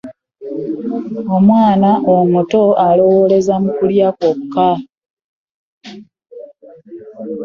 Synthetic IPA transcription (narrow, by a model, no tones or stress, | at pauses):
o̞mwaːnaʔomuto̞alo̞wole̞zamukuljakokuka